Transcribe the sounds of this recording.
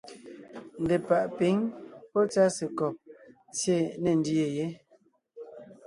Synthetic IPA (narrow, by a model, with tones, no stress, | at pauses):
n̩˨de˨pa˨ʔpi˨˦ŋpɔ˦t͡sa˦se˨kɔ˨p̚ | t͡sje˦˨ne˨n˦di˦e˨je˨˦